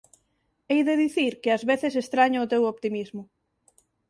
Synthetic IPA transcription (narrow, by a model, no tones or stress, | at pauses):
ejðɪðiθiɾkɪazβeθɪs̬est̪ɾaɲaʊt̪ewopt̪imizmʊ